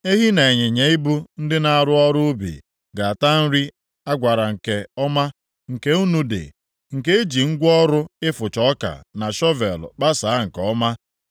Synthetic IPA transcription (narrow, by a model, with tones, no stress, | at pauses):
e˦ɦi˦na˨e˨ɲe˨ɲe˨i˦bu˦n̩˦dɪ˦na˨a˨ɾʊ˦ɔ˦ɾʊ˦bḭ˨ | ɡa˨a˨ta˦n̩˦ɾi˦ | a˦ɡʷa˨ɾa˨ŋ̩˨ke˨ɔ˦ma˦ | ŋ̩˨ke˦u˦nu˦dḛ˨ | ŋ̩˨ke˦e˦d͡ʒi˨ŋ̩˦ɡʷɔ˦ɾʊ˦ɪ˦fʊ˨t͡ʃɔ˨˦ka̰˨na˨ʃɔ˦vḛ˨l̰k͡pa˦sa˨˦ŋ̩˨kɔ˦ma˦